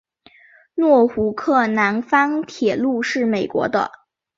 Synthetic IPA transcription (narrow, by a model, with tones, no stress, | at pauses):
nwɔ˥˩xu˧˥kʰɤ˥˩na˧˥nfɑ˥ŋt̪ʰjɛ˨˩lu˥˧ʂɻ̩˥˩me˨˩ɪkwɔ̰˧˥d̪ə̰˧